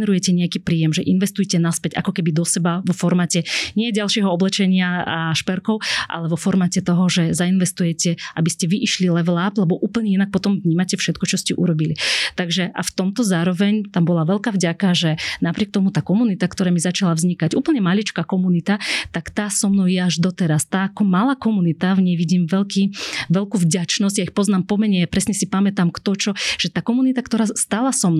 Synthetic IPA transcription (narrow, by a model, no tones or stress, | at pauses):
nɛɾujɛcɛɲɛakiːpɾiːjɛmʒɛʔinʋɛst̪ujcɛnaspɛca̰kɔkɛbid̪ɔsɛbaʋɔfɔɾmaːcɛɲɪɛɟalʃɪɛɦɔɔblɛt͡ʃɛɲɪaʃpɛɾkɔʊʔa̰lɛʋɔfɔɾmaːcɛt̪ɔɦɔʒɛzainʋɛst̪ujɛcɛʔabiscɛʋiʔiʃlilɛʋlaːplɛbɔʔuːpl̩ɲɛinak̚pɔt̪ɔmvɲiːmacɛfʃɛt̪kɔt͡ʃɔscɛʔṵɾɔbilit̪aɡʒɛʔa̰ft̪ɔmt̪ɔzaːɾɔʋɛɲt̪ambɔlaʋɛlkaːvɟakaʒɛnapɾɪɛk̚t̪ɔmut̪aːkɔmunit̪akt̪ɔɾaːmizat͡ʃalavzɲikaɟuːpl̩ɲɛmalit͡ʃkaːkɔmunit̪at̪akt̪aːsɔmnɔʊjɛaʒd̪ɔt̪ɛɾast̪aːkɔmalaːkɔmunit̪avɲɛjʋiɟiːmʋɛlkiːʋɛlkuːvɟat͡ʃnɔzɟjaixpɔznaːmpɔmɛɲɛjapɾɛsɲɛsipamɛt̪amkt̪ɔt͡ʃɔʒ̥ɛt̪aːkɔmunit̪akt̪ɔɾaːst̪alasɔmn